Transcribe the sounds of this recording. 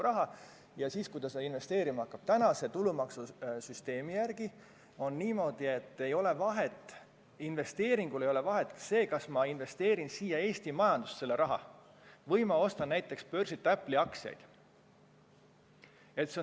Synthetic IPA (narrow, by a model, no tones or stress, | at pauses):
uɾɑɦɑ | jɑsiːskujd̪̥ɑseinve̞st̪e̞ːɾimɑɑkːˑɑb̥̚t̪ænɑse̞t̪ulumɑksusyst̪e̞ːmijærɡ̥i | o̞nːiːmo̞ːd̪̥ie̞t̪ːe̞jo̞le̞vɑɦet̪ːˑ | inve̞st̪e̞ːɾiŋɡ̥ulejo̞le̞vɑɦe̞t̪ːˑse̞ːkɑsmɑinve̞st̪e̞ːɾinsiːjɑe̞ːst̪imɑjɑnd̪̥usse̞lːe̞ɾɑɦɑ̰ | vɤjmɑo̞st̪ɑnːæjt̪ːˑe̞kspø̞rsit̪ːˑæpːˑliɑksjɑ̰jd̪̥ | et̪ːse